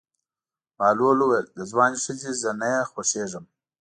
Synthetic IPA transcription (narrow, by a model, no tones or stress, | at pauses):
mɑːloluweld̪əzwɑːniʂəzizənajaxoseːʐəm